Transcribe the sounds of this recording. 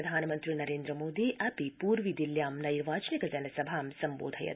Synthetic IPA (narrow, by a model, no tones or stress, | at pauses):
d̪ʱaːnɐmɐnt̪ɾinɐɾeːnd̪ɾɐmoːd̪iʔɐpipuːɾʋid̪iljaːmnɐniɾʋaːt͡ʃɐnikɐd͡ʒɐnɐsɐbʱaːmsɐmboːd̪ʱɐ̰jɐ̰